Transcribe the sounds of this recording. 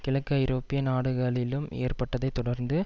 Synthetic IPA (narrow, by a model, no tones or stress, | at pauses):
kɪɭɐkːajɪɾoːpːɪjɐnaːɽɯɣɐlɪlɯmḛːrpɐʈːɐðɐɪt̪ːɔɽɐɾnd̪ɯ